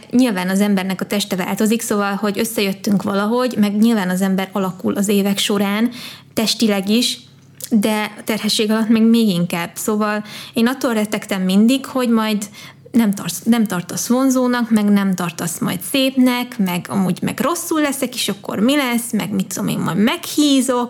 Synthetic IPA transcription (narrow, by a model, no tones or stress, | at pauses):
ɲilvaːnɒzɛmbɛrnɛkɒt̪ɛʃt̪ɛva̰ːlt̪o̞ziksoːvɒlho̞ɟøsːɛjø̞t̪ːyŋkʋɒlɒɦo̞ɟmɛɡɲilvaːnɒzɛmbɛɾɒlɒkulʔɒzeːvɛkʃo̞ɾaːnt̪ɛʃt̪ilɛɡiʃ | d̪ɛɒt̪ɛrhɛʃːeːɡɒlɒt̪mɛːɡmeːɡiŋkaːb̥soːvɒleːnɒt̪ːolrɛt̪ɛkt̪ɛmːind̪ikho̞ɟmɒjd̪nɛmt̪ɒrnɛmt̪ɒrt̪osʋo̞nzoːnɒkmɛɡnɛmt̪ɒrt̪osmɒ̰jt̪seːpnɛkmɛɡɒ̰muːɟmɛ̰ɡro̞sːulːɛsɛkeːʃɒkːo̰rmilɛsːmɛ̰ɡmit̪ːud̪omḛːmmɒ̰jmɛkhiːzo̞k̚